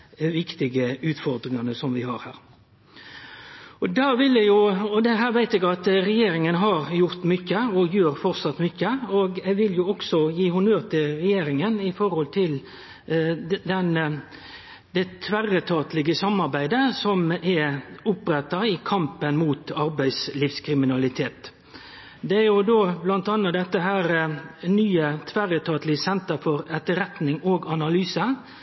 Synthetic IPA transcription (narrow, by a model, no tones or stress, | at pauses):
ʋɪkt̪ɪɡəʉːt̪fɔɾd̪ɾɪŋɑnəsɔmʋɪhɑ̰ɾhæ̰ːɾ | ɔd̪ɑːʋɪljɛɡjʊɔd̪ɛɦæːɾʋæɪt̪ɛːɡɑt̪ɾɛjeːɾɪŋənɦɑɾjʊɾt̪mʏçːəɔjøːɾfɔɾsɑt̪mʏçːəoːɡɛɡʋɪljʊɔɡsɔjiːhʊnøːt̪ʰɪɾɛjeːɾɪŋənɪfɔɾhɔlt̪ʰɪl | d̪ɛn | d̪ɛt̪ʰʋæɾət̪ʰɑːt̪lɪɡəsɑmːɑɾbæɪd̪əsɔmɛʊpɾɛt̪ːɑɪkʰɑmpənmuːt̪ɑɾbæɪsliːfskʰɾɪmɪnɑlɪt̪ʰeːt̪ | d̪ɛæɾjʊd̪oːblɑnt̪ɑnːɑd̪ɛt̪ːəɦæːɾnyːət̪ʰʋæɾət̪ʰɑːt̪lɪsɛnt̪əfɔɾɛt̪ːəɾɛt̪nɪŋoːɡɑnɑlyːsə